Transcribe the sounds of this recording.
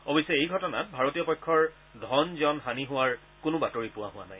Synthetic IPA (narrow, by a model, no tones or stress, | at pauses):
ɔbisɛejɡʱɔtɔnat̚bʱaɹotijɔpɔjkʰːɔɹ | dʱɔnziɔnɦaniɦʊwaɹ | kʊnʊbatoɹipʊwaɦʊwa̰naj